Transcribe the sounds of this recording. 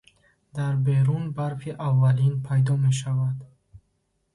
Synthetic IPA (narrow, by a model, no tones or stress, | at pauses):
d̪aɾbe̞ɾunbaɾfiʔavːalinpʰajd̪ɔme̞ʃ̬avad̪